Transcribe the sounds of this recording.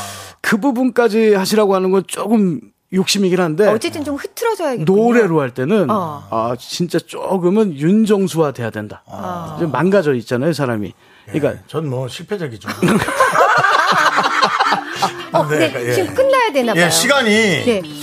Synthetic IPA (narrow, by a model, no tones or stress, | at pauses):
kɯbubunk͈ad͡ʑihaɕʰiɾaɡoɦanɯnɡʌnt͡ɕ͈okɯm | jok̚ɕ͈imiɡiɾɭɦanɯnde̞ʌt͡ɕe̞t͈ɯnt͡ɕomhɯtʰɯɾʌd͡ʑʌjaɡnoɾe̞ɾoɦaɭt͈e̞nɯnat͡ɕint͡ɕ͈at͡ɕ͈oɡɯmɯnjund͡ʑʌŋsʰuadwe̞jadwe̞ndad͡ʑemanɡad͡ʑʌit̚t͡ɕ͈anajosʰaɾamḭ | ik͈a̰ʌnmʌɕʰiɭpʰed͡ʑaɡid͡ʑo | net͡ɕik͈ɯnːajadwe̞najeɕʰiɡaɲine̞